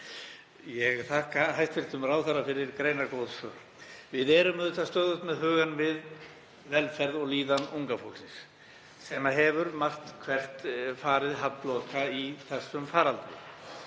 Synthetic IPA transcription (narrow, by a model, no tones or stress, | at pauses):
jɛɣθahkaɦajst̪fɪl̥t̪ʏmraːwθaɾafɪɾɪɾkɾeːjnaɾkowðsœːɾ̥ | vɪðɛɾʏmðʏt̪ast̪œːðʏst̪mɛðɦʏːɣanvɪð | vɛlfɛɾðɔɣliːðanuŋkafowlsɪns | sɛmːaɦɛvʏɾmar̥t̪kʰvɛr̥t̪faːɾɪðɦat̪lokaiθɛsːʏmfaːɾalt̪ɪ̰